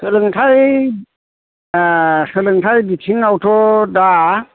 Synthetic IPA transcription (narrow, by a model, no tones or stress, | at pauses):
sɯlɯŋtʰaj | sɯlɯŋtʰajbitʰiŋawtʰɔda